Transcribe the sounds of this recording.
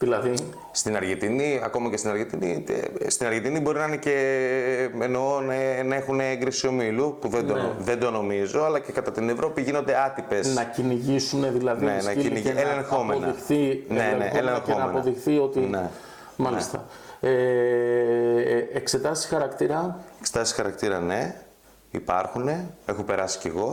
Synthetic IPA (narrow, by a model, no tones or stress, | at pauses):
ðilɐði | st̪inɐɾʝent̪iniɐ̰ko̞mɐce̞st̪inɐɾʝent̪inḭt̪st̪inɐɾʝent̪inibo̞ɾinɐinece | eno̞nenɐexuneeŋɡɾisio̞milupuðend̪oðe̞nd̪o̞no̞mizo̞ɐlɐce̞kɐt̪ɐt̪ine̞vɾo̞piʝino̞nd̪e̞ɐt̪ipe̞snɐciniʝisuneðilɐðinenɐniielexomeonɐixθineneʔḛlexeonɐmenpoɐðixθio̞t̪ine | mɐlist̪ɐ̰ | e | ekse̞t̪ɐsi̥xɐɾɐkt̪iɾɐekset̪ɐsii̥xɐɾɐkt̪iɾɐ̰ne̞ | ipɐɾxune̞e̞xope̞ɾɐsi̥ceɣo̞